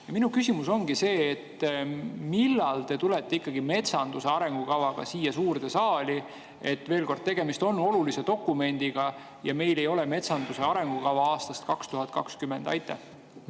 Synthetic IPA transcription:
jɑminukysimuso̞ŋɡ̥ise̞ːt̪ː | milːɑlt̪e̞t̪ule̞t̪ːˑeikːɑɡ̥ime̞t̪sɑnd̪use̞ɑɾe̞ŋɡ̥ukɑvɑɡ̥ɑ̰siːjːɑsuːrd̪esɑːli | e̞t̪ːˑveːlko̞rd̪̚t̪e̞ɡ̥e̞mist̪o̞nːo̞lulise̞t̪o̞kːˑume̞nʲd̪̥iɡ̥ɑ | jɑme̞jle̞jo̞lɛme̞t̪sɑnd̪use̞ɑɾe̞ŋɡ̥ukɑvɑɑːst̪ɑst̪kɑkst̪uɦɑt̪̚ːˑkɑkskymːe̞nd̪ɑ̰jt̪ːˑḛh

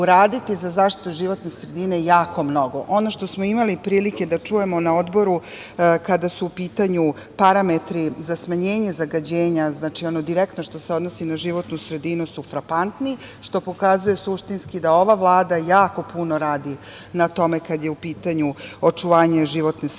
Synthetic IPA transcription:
uɾaːd̪it̪izazaːʃt̪i̥t̪uʒiʋo̞t̪ne̞sɾe̞d̪ine̞jaːko̞mno̞ɡo̞ʔo̞no̞ʃt̪o̞smo̞imalipɾiːlike̞d̪at͡ʂuje̞mo̞naod̪bo̞ɾu | kad̪asuːpiːt̪aɲu | paɾame̞t̪ɾizasmaɲeːɲe̞zaɡad͡ʑeːɲaznaːt͡ʃio̞nod̪iɾekt̪no̞ʃt̪o̞se̞o̞d̪nosinaʒiʋo̞t̪nusɾe̞d̪inusufɾapant̪ni | ʃt̪o̞po̞kazuje̞suʃt̪inskid̪ao̞ʋaʋlˠaːd̪ajaːko̞puno̞ɾaːd̪i | nat̪o̞mekad̪je̞upiːt̪aɲuo̞t͡ʂuʋaːɲeʒiʋo̞t̪nes

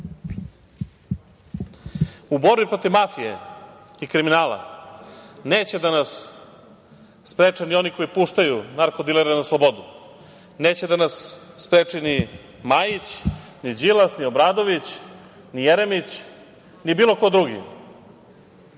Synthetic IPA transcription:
ubo̞ɾbipɾo̞t̪iʋmafije̞ | ikɾiminaːla̰ | neːt͡ɕe̞d̪anas | pɾeːt͡ʂanio̞niko̞jipuːʃt̪ajunaɾko̞d̪ileɾenaslˠo̞bo̞d̪u | ne̞ːt͡ɕe̞d̪anasː | pɾeːt͡ʂini | maːjit͡ɕ | nid͡ʑilasnio̞bɾaːd̪o̞ʋit͡ɕ | nijeɾemit͡ɕ | nibiːlˠo̞ko̞d̪ɾuɡḭ

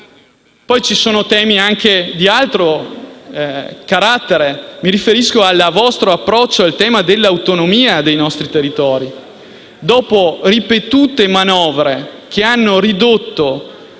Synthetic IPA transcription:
pɔjt͡ʃisoːnot̪ɛːmiaŋked̪ialt̪ɾo | kaɾat̪ːeɾemiɾifeɾiskoalːavɔst̪ɾoapːɾɔt͡ʃːoalt̪ɛːmad̪elːawt̪onomiːad̪ejnɔst̪ɾit̪erːit̪ɔːɾi | d̪ɔːporipet̪uːt̪emanɔːvɾe | k̟eanːoɾid̪ot̪ːo

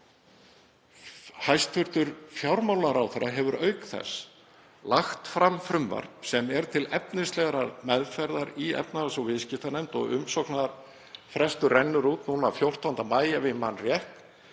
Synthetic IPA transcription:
hajst̪fʏɾ̥t̪ʏɾ̥fjawɾmawlaɾawθɛɾaɦɛvʏɾœɥkθɛ̰s | laxt̪fɾamfɾʏmva̰ɾ̥psɛmɛɾt̪ʰɪlɛpnɪst̪lɛɣɾaɾmɛðfɛɾðaɾiɛ̰pnaɾasɔwvɪscɪft̪anɛjmt̪ɔ̰ɣʏ̰msɔknaɾ | fɾɛst̪ʏrɛnːʏɾuːt̪nuːnaːfjowr̥t̪ʰawʏnt̪amaːjavɪmanrjɛht̪

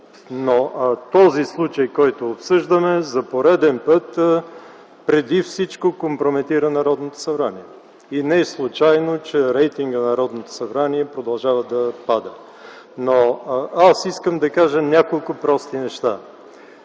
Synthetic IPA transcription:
not̪ɔzislˠut͡ʃɐjkɔjt̪oːpsɤʒd̪əmɛzɐpoɾɛd̪ɛnpɤt̪ | pɾɛd̪ifsit͡ʃkokompɾomɛt̪iɾənɐɾɔd̪not̪o̥sɐbɾaniɛ | inɛslˠut͡ʃajnot͡ʃɛɾɛjt̪iŋɡənɐɾɔd̪not̪o̥sɐbɾaniɛpɾod̪ɐlˠʒavəd̪ɐpad̪ə | noasiskəmd̪ɐkaʒənʲakolˠkʊpɾɔst̪inɛʃt̪a

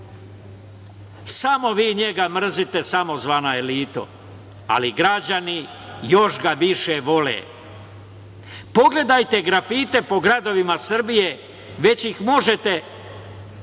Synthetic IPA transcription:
samo̞ʋiːɲe̞ɡamr̩zit̪e̞samo̞zʋaːnae̞liːt̪o̰ | a̰liɡɾad͡ʑani | jo̞ʃɡaʋiʃeʋo̞lḛ | po̞ɡle̞d̪ajt̪e̞ɡɾafit̪e̞po̞ɡɾad̪o̞ʋimasr̩bije̞ | ʋe̞t͡ɕjixmo̞ʒe̞t̪e

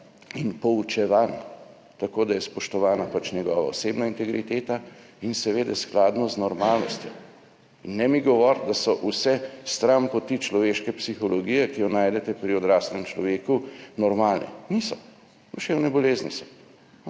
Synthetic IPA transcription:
inpɔut͡ʃɛʋan | t̪akoːd̪ajɛspɔʃt̪ɔʋaːnapat͡ʃnjɛɡɔːʋa̰oseːbnaint̪ɛɡɾit̪eːt̪a | insɛʋeːd̪ɛsklaːd̪nɔznɔɾmaːlnɔst̪jɔ | inːɛmiɡɔʋɔɾd̪asɔʔusɛst̪ɾampɔt̪it͡ʃlɔʋeːʃkɛpsixɔlɔɡijɛkijɔnaːjd̪ɛt̪ɛpɾiɔd̪ɾaːslɛmt͡ʃlɔʋeːkunɔɾmaːlnʔɛ̰nisɔ | d̪uʃewnɛbɔleːznisɔ̥

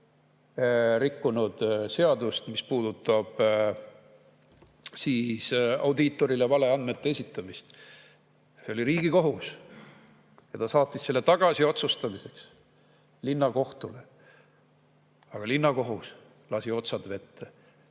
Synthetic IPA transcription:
rikːunud̪̥se̞ɑd̪ust̪mispuːd̪̥ut̪ːˑɑb̥ | siːsɑ̰wd̪it̪ːˑo̞ɾilevɑle̞ɑnd̪̥me̞t̪ːe̞esit̪ːˑɑmist̪ | seo̞liɾiːɡ̥iko̞ɦus | jɑt̪ɑsɑːt̪ːˑisse̞lːe̞t̪ɑɡ̥ɑsio̞t̪sust̪ɑmise̞ks | linːɑko̞ht̪ule | ɑɡ̥ɑlinːɑko̞ɦus | lɑsio̞t̪sɑd̪̥ve̞t̪ːe

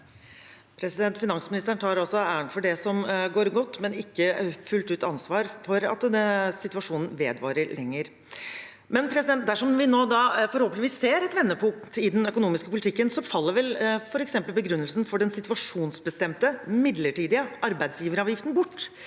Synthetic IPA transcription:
pʰɾɛsɪd̪ɛnt̪fɪnɑnsmɪnɪst̪əɳt̪ʰɑːɾɑlsɔæːəɳʈfɔɖɛsɔmɡoːɾɡɔt̪ːmɛnɪkːəfʉlt̪ʉːt̪ɑnsʋɑːɾfɔɾɑ̰t̪̚əsɪt̪ʉɑʂuːnn̩ʋeːd̪ʋɑ̰ːɾəɾlɛŋːəɾ | mɛnpʰɾɛsɪd̪ɛnt̪̚d̪æʂɔmʋɪnoːd̪ɑfɔɾhoːpənɪʋiːsːeːɾɛt̪ʋɛnːəpʰʊŋt̪ʰɪd̪ɛnœkʊnuːmɪskəpʊlɪt̪ʰɪkːənsɔfɑlːəɾʋɛlfɔɾɛksɛmpəlbəɡɾʉnːəlsn̩fɔɖɛnsɪt̪ʋɑʂuːnsbəst̪ɛmt̪əmɪd̪ləʈiːd̪ɪəʔɑɾbæɪd̪sjiːʋəɾəɑːʋjɪft̪n̩bʊʈː

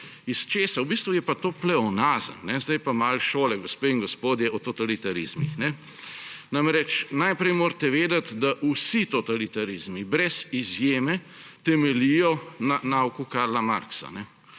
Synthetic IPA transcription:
ist͡ʃeːsawbist̪ʋujɛpat̪oːplɛɔnaːzə̰mnɛzd̪ajpamalʃoːlɛɡɔspeiŋɡɔspoːd̪jɛʔɔt̪ɔt̪alit̪aɾḭzmixnɛ | namɾɛt͡ʃnajpɾɛjmoːɾt̪ɛʋeːd̪at̪d̪aʔusit̪ɔt̪alit̪aɾizmibɾɛzizjeːmɛ | t̪ɛmɛlijɔnanaːwkukaɾlama̰ɾksa̰nɛ

